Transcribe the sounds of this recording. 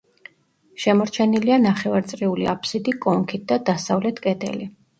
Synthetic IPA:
ʃɛmɔɾt͡ʃʰɛnilianaχɛvaɾt̪sʼɾiuliapʰsid̪ikʼɔŋkʰit̪̚d̪̥ad̪asavlɛt̪ʰkʼɛt̪ʰʼɛ̰li

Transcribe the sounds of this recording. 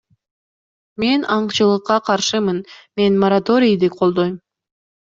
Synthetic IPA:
me̞nɑɴqt͡ʃɯlˠɯqːɑqʰɑɾʃɯmɯnme̞nmoɾat̪o̞ɾʲijd̪iqʰo̞lˠd̪o̞jm

